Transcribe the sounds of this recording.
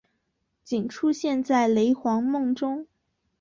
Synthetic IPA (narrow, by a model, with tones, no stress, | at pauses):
t͡ɕi˨˩nʈ͡ʂʰu˥ɕjɛ˥˧nt͡sa˥˩ɪle˧˥ɪxwɑ˧˥ŋmɤ˥˩ŋʈ͡ʂʊ˥ŋ